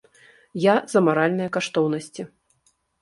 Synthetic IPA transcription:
jazɐmaɾalʲnɨjɐkaʂt̪ɔwnɐsʲt͡sʲi

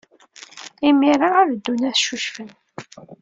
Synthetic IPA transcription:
imiɾaʁæðəd̪ːunæθʃuʃfən

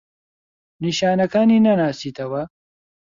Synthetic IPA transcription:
niʃaːnɐkaːninɐnaːsit̪ɐwɐ

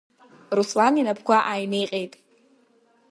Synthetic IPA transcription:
ruslaninapʰkʷʰaʔajnejqʼejtʼ

